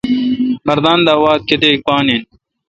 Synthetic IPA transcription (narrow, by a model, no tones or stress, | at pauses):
mɐɾd̪aːnd̪aːwaːt̪̚ket̪eːk̚paːnin